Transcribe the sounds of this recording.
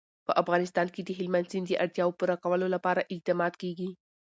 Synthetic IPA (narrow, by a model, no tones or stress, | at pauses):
pəʔafɣɑnɪst̪ɑnked̪əɦɪlmanzind̪əʔaɽt̪jɑwopuɾakawəlolapɑɾaʔɪq̚d̪ɑmɑd̪keɡi